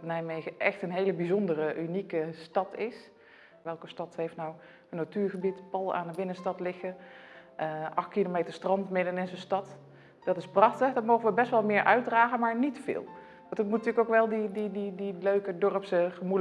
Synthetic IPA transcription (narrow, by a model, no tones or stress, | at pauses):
nɛjmejɣəʔɛxtənɦejləbizɔndərəʔynikəstɑtʰɪs | ʋɛlˠkəstɑthejftnaw | ənotyːɹχəbitpɑlˠa̰ːndəbɪnənstɑtlɪxəʔəʔɑxtkilomeːtəɹstrɑntmɪdənɪnzənstɑt | d̥ɑtɪsprɑxtəχdɔtmowɣəʋəbɛstʋɑlˠmɪːɹʔœɥ̚draːɣənmaːɹnitfɪ̰ːlˠ | ʋɑntətmutntyːkowkʋɛlˠdidididiløɥkədɔrəpsəχəmu